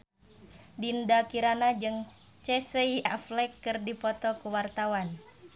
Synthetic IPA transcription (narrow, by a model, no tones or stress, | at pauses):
dindakiɾanad͡ʒɨŋ | t͡ʃɛsəiaflɛkːɨrdipɔt̪ɔkuwart̪awan